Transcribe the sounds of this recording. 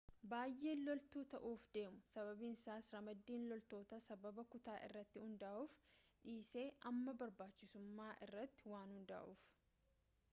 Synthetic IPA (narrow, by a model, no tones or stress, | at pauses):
baːjːʔe̞ːlɔlt̪uːt̪ɐʔuːfd̪e̞ːmʊsɐβɐbinsaːsɾɐmɐd̪ːiːnlɔlt̪o̞ːt̪ɐsɐbɐbɐkʊt̪aːʔɪ̰rːɐt̪ːɪhʊnd̪aːʔuːfᶑiːse̞ːʔɐmːɐbɐɾbaːt͡ʃːɪsʊmːaːʔɪrːɐt̪ːɪ̥waːnhʊnd̪a̰ːʔṵːf